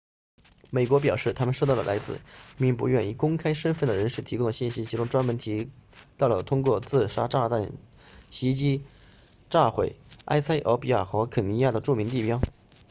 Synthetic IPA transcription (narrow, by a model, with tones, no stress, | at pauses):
me˨˩ɪkwɔ˧˥p̬jɑ˨˩ʊʂɻ̩˥˩t̪ʰa˥mə˨nʂo˥˧t̪ɑ˥˩lə̰lʔa˧˥ɪt͡sɹ̩̰˥˩mi˥˩ŋp̬ṵ˧˥ɥɛ˥˧ni˥˩kʊ˥ŋkʰa˥ɪʂə˥nfə˥˩nd̪ə˩ɻə˧˥nʂɻ̩˥˩t̪ʰi˧˥kʊ˥d̪ə˨ɕi˥˩nɕi˥t͡ɕʰi˧˥ʈ͡ʂʊ˥ŋʈ͡ʂwa˥nmə˧˥nt̪ʰi˧˥t̪ɑ˥˩ʊlə˩t̪ʰʊ˥ŋkwɔ˥˧t͡sɹ̩˥˩ʂa˥ʈ͡ʂa˥˧t̪a˥˩n | ɕi˧˥t͡ɕi˥ | ʈ͡ʂa˥˧˩xwḛ˥˩ɪa̰˥ɪsʰa˥ɪʔɑ˧˥ʊpi˥ja˥˩xɤ˧˥kʰə˨˩ni˧˥ja˥˩d̪ə˩ʈ͡ʂu˥˩mi˧˥ŋt̪i˥˩pjɑ˥ʊ